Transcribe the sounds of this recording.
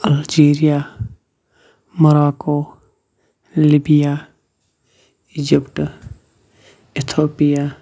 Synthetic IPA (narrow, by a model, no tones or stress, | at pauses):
ɐld͡ʒiːɾija | mɐɾaːko | libijaː | ɪd͡ʒɪpʈ | ɪt̪ʰoːpija